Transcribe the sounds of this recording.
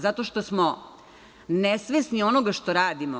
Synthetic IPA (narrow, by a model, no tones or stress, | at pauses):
zat̪o̞ʃt̪osmo | nesʋesnio̞noɡaʃt̪oɾaːd̪imo